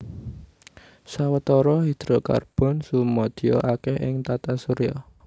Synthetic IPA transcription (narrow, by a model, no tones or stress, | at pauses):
sawət̪ɔɾɔɦid̪̥ɾɔka̰rb̥ɔ̤nsumɔd̪̥i̤ɔ̰ʔakɛɦɪ̰ŋt̪at̪asuɾiɔ